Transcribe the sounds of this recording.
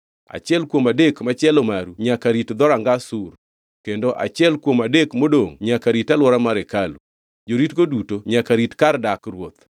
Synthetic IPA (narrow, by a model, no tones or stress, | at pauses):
a̰t͡ʃɪɛlkwomadekmat͡ʃɛlɔmaɾuɲakaɾitd̪ɔɾaŋɡasur | kendoʔa̰t͡ʃɪɛlkwomadekmodoŋɲakaɾitalwɔɾamaɾɛkalṵ | d͡ʒoɾitɡodutoɲakaɾitkardakɾwot̪